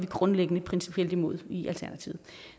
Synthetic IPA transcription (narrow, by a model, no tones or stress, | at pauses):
ʋiɡ̥ʁɔ̽nleɡ̥ənəpʰʁɛnsi̥pʰiel̰d̥imo̝ð̞̰ˠiʔælt͡sʰæɐnæt͡sʰiʊð̩ˠ